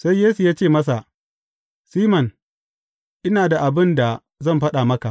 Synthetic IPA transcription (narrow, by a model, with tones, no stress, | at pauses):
sa˦jjeː˦su˨jaː˦t͡ʃeː˦˨mɐ˦s̬a˨ | siː˦mɐ˨n | ʔɪ˦naː˨da˨ʔa˨bɪ˦nda˨ | zɐ˦˨mɸɐ˦ɗa˨mɐ˦ka˨ʔ